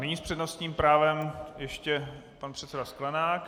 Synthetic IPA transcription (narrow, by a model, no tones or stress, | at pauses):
nɛɲiːspr̝̥ɛdnost̪ɲiːmpɾaːvɛmjɛʃcɛpanpr̥ɛt̪sɛdasklanaːk